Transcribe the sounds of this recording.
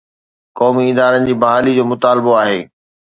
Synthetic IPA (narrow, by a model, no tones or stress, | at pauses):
kɔːmiɪd̪aːɾənɪ̆d͡ʑiːbɐɦaːlid͡ʑoːmʊt̪aːlboaːɦeː